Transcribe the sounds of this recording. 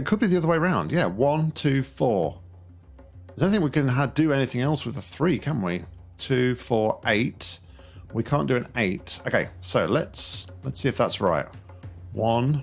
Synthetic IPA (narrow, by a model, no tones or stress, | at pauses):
t̚kʰəd̚biðiʌðə˞weɪəɹãʊ̃ndjæwʌ̃ntʰʉfɔːɹ | dõθɪ̃ŋk̚wikɨ̃nɦədɨɛnɪθɪ̃ŋɛlˠswɨðəθɹikʰæ̃n̩ʔwi | tʰʉfɔɹʔeɪt | wikʰɑ̃ˑnd̥ɨɨ̃neɪtəʊkʰeɪsoʊlətslətsiɨfðætsɹa̰ɪt̚ | wʌ̃n